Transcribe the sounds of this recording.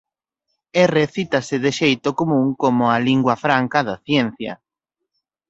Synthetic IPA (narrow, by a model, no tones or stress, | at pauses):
ereθit̪ɐsɪðɪʃejt̪okomũŋkomʊaliŋɡwɐfɾaŋkɐðɐθjɛn̟θjɐ̰